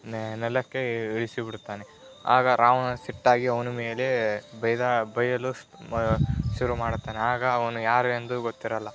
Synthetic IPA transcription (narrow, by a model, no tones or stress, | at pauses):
nɛlːɐkːe̞iɭisibiɽt̪aːne | a̰ːɡɐɾʔaːʋɐnɐsiʈːaːɡiɐʋɐnumeːlebɐjd̪abɐjɐlu | ʃuɾumaːɽt̪ːaːneaːɡɐːʋɐnujaːɾuend̪uɡot̪ːiɾɐlːɐ